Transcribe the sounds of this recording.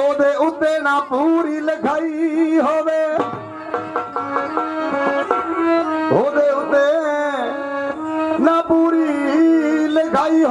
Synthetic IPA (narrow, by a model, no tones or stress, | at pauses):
oːd̪eːʔʊt̪ːeːnãːpuɾiːləɡʱaːiɦoːd̪eː | ɦoːd̪eːʊt̪ːe | nãːpuːɾi | ləɡʱaːiɦ